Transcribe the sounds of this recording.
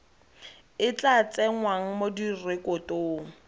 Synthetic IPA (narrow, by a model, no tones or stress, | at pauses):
ɪt͡ɬat͡sʼɛŋwaŋ̩modirɪkʼʊtoːŋ̩